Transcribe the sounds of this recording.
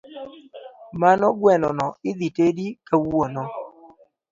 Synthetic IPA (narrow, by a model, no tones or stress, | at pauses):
manɔɡwɛnɔnɔɪd̪itedikawono